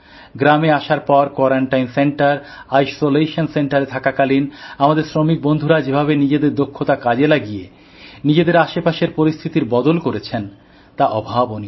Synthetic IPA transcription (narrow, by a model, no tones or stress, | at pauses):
ɡɾameaʃaɾpɔɾkwɔɾaɳʈajnseɳʈaɾ | ajsoleʃonseɳʈaɾet̪ʰakakalinamad̪eɾsɾomik̚bond̪ʱuɾad͡ʑebʱabenid͡ʑed̪eɾd̪okʰːot̪akad͡ʑelaɡie | nid͡ʑed̪eɾaʃepaʃeɾpoɾist̪ʰit̪iɾbɔd̪olkoɾet͡ɕʰen | t̪aʔɔbʱaboni